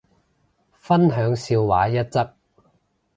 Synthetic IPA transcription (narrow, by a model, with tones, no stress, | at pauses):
fɐ˥nɦœː˨˥ŋsiː˧wwa̰ː˨˥jɐ˥t̚t͡sɐ˥k̚